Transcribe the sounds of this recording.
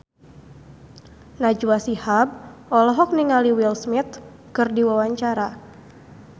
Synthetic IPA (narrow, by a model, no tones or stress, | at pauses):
nad͡ʒwasihab̚ɔlɔɦɔk̚niŋaliwilsmɪt̪̚ | kɨrdiwawaɲt͡ʃaɾa